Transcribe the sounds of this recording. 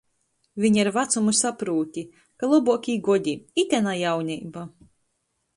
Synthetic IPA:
vʲiɲiɾvat̪sumusapɾuːt̪ʲi | kalˠɔbuɔkʲiːɡɔd̪ʲiit̪ʲɛnajawnʲiːba

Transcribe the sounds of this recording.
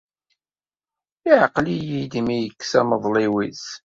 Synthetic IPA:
iʕqlijid̪imijəkːsæməðˤliwis

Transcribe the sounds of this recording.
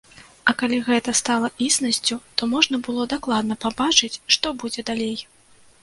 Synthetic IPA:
ɐkalʲiɣɛt̪ɐst̪alˠɐʔisnɐsʲt͡sʲut̪ɔmɔʐnɐbɨlˠɔd̪aklˠad̪̚nɐpabat͡ʂɨt͡sʲʂt̪ɔbud͡zʲɛd̪alʲej

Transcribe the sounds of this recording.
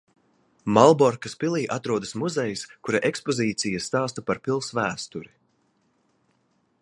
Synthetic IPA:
malˠbɔɾkaspilˠiːʔat̪ɾuɔd̪ɐsmuzɛjskuɾaʔekspɔziːt̪sijast̪aːst̪ɐpaɾpilˠsvæːst̪uɾi

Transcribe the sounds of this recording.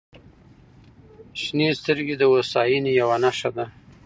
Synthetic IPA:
ʃnest̪əɾɡed̪əwosɑjinejawanaʃad̪a

